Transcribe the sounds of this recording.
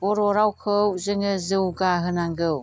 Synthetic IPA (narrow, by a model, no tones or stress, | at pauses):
oɾoɾawkʰɯwzɯŋɯzɯwɡaɦɯnaŋɡɯw